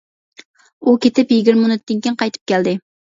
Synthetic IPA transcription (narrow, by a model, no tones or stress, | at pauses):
ukʲet̪ɪpjɪɡʲiɾmunɨt̪ːɪŋkʲiŋqɑjt̪ʰɨ̥p̚kʲʰɛld̪ɪ